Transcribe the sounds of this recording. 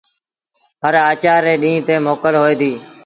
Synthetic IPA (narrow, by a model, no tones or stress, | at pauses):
ɦəɾaːt͡ʃaːɾːeːɗĩːt̪eːmoːkəlɦoːeːd̪iː